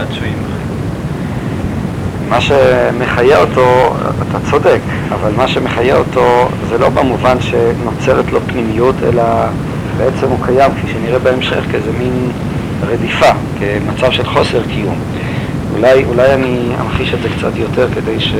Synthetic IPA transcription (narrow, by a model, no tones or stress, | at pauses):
at͡suimae | maʃeme̞χajeoto̞atʰat͡so̞dek | avalmaʃe̞meχajeo̞to̞zelo̞bamuvanʃe̞no̞t͡se̞ʁet̪lo̞pnimijutʰḛla | be̞ʔet͡se̞mukajamkfiʃeniʁebeemʃḛχkezemin | ʁedifa | kemat͡savʃe̞lχo̞se̞ʁkijum | ṵlajulajania̰mχiʃedzekt͡sa̰tjo̞teʁke̞de̞jʃe